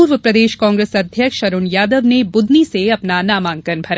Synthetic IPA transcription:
uːɾʋəpɾɐd̪eːʃkãːŋɡɾeːsɐd̪ʱjəkʃʃɐɾunjaːd̪əʋnebʊd̪niseɐpnanaːmãːŋkənbʱɐɾa

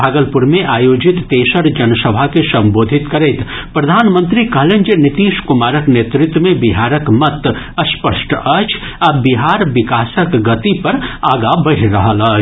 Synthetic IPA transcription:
bʱaːɡəlpʊɾmẽʔaːjoːd͡ʒɪt̪ːeːsəɾd͡ʒɐnsəbʱakesɐ̃mboːd̪ʱɪt̪kɐɾeːt̪ | pɾɐd̪ʱaːnmə̃nt̪ɾikəɦlẽnd͡ʒenɪt̪iːʃkʊmaːɾəkneːt̪ɾɪt̪wəmẽbɪɦaːɾəkmɐt̪ | ɐspəʃʈɐt͡ʃʰ | ɐbɪɦaːɾʋɪkaːsəkɡɐt̪ipɐɾaːɡabɐɦɾɐɦəlɐː

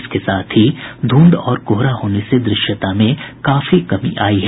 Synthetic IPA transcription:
skesaːt̪ʰɦid̪ʱũːnd̪ɔːɾkoɦɾaɦoːnesed̪ɾɪʃət̪amẽkaːfikɐmḭʔaːiɦɛ

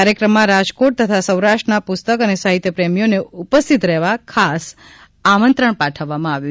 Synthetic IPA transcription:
aɾjəkɾəmːãɾad͡ʒkoʈ̚t̪ət̪ʰasə̃wɾaʃʈənapʊst̪əkənesaɦit̪jəpɾemijoneupəst̪ʰit̪ɾɛɦʋakʰas | amənt̪ɾəɳpaʈʰəʋːamãaʋju

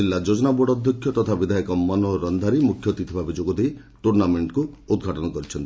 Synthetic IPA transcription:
ilːad͡ʒod͡ʒɔnaboɽɔd̪ʱjɔkʰjɔt̪ɔt̪ʰabid̪ʱajɔkɔmːɔnɔɾɔnd̪ʱaɾimukʰjɔt̪it̪ʰibʱabʱid͡ʒoɡɔd̪ej | ʈuɾnameɳʈkuud̪̚ɡʱaʈɔnɔkɔɾit͡ʃʰɔnt̪i

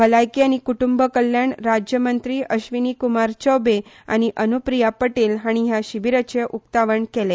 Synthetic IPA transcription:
bʱəlajkiañikuʈumbəkəljaɳɾad͡ʑjəmənt̪ɾiːʔəɕʋiniːkumaɾt͡ɕəwbe | a̰ñiʔənupɾijapəʈiːlɦaɽ̃iɦjaɕiʋiɾət͡ɕeʔuk̚t̪aʋəɳkele

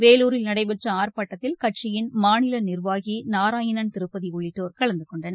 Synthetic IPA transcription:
ʋeːluːɾɪlnɐɽɐɪpɛʈrɐaːɾpaːʈːɐt̪ːɪlkɐʈt͡ʃɪjɪnmaːnɪlɐnɪrʋaːɣinaːɾaːjɪnɐnt̪ɪɾɯpːɐðiɔɭːɪʈːoːɾkɐɭɐnd̪ɯkɔɳɖɐnɐ

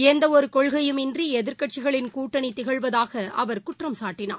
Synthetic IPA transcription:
ɛnd̪ɐɔɾɯkɔɭɣɐjɯmɪndriɛðɪɾkɐʈ̚t͡ʃɪɣɐɭɪnkuːʈːɐɳit̪ɪɣɐɭʋɐðaːɣɐɐʋɐɾkʊʈrɐmsaːʈːɪna̰ː

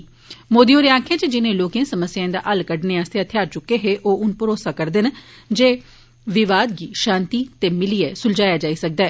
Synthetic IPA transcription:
moːd̪iːoːɾeaːkʰãːt͡ʃed͡ʒɪnẽːloːkẽːsəməsjãːɪ̃nd̪a̰ːʔəlkəɖneːaːst̪eat̪ʰɪjaːɾt͡ʃʊkːeːɦeːʔoːʊnpʊɾoːsaːkəɾd̪ɪnd͡ʒeː | ʋɪʋaːd̪ɡiːʃãːnt̪iːt̪eːmɪliːɛːsʊld͡ʒaːjaːd͡ʒaːisək̚d̪aːɛː

